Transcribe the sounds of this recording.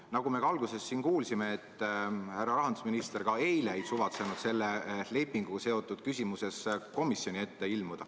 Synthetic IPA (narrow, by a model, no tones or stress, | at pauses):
nɑɡ̥ume̞ɡɑɑlɡ̥use̞sːiːnkuːlsime̞ːt̪ːˑhærːɑɾɑɦɑnd̪̥usminist̪e̞ɾɡ̥ɑe̞jlej̪suvɑt̪senud̪̥se̞lːele̞pːˑiŋɡ̥uɡɑse̞o̞t̪ːˑud̪̥̚kysʲimuse̞sko̞misjo̞nʲie̞t̪ːe̞ilmud̪̥ɑ